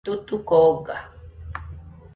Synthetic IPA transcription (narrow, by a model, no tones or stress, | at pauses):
t̪ut̪ukoɡa